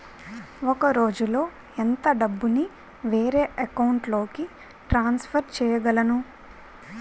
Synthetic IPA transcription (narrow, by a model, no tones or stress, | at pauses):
ɔkɐɾo̞ːd͡ʒulo̞ː | ent̪ɐɖɐbːuni | ʋeːɾe̞ːʔɐkɐwɳʈlo̞ːki | ʈɾaːnspʰɐɾt͡ʃɛːjɐɡɐlɐnu